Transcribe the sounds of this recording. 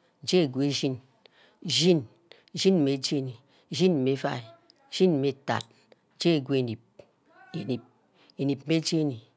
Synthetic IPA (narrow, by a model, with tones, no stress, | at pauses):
d͡ʒe˦˨ɡwe˨ʒi˦n | ʒi˦n | ʒi˦n˨me˨d͡ʒe˦˨ni˨ | ʒi˦n˨me˨˦fa˦˨i˨ | ʒ̥i˦n˨me˨ta̰˨t̚ | d͡ʒe˦˨ɡʷu˦e˨ni˨p̚ | e˨ni˨p̚ | e˨ni˨pme˦d͡ʒe˦ni˨